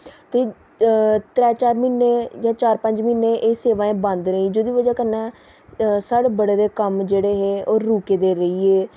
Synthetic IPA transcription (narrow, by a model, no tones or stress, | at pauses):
t̪eː | t̪ɾɛːt͡ʃaːɾmɪnːeːjãːt͡ʃaːɾpə̃ɲd͡ʒmɪnːeːʔeːseːʋãːẽːbə̃nd̪ɾəĩːd͡ʒoːd̪iːʋəd͡ʒaːkənɛ̃ː | saːɽeːbəɽeːd̪eːkəmd͡ʒeːɽeːɦeːoːɾːuːkeːd̪eːɾəiːeː